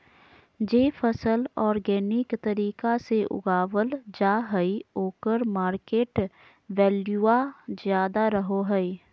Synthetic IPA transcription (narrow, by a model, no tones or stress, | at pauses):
d͡ʒeːfʰəsəlɔːɾɡɛːnɪkt̪əɾiːkaseʔʊ̰ɡaːwəld͡ʒaːɦɛioːkəɾmaːɾkeːʈ | wɛːljuːazjaːd̪aɾəɦoɦɛi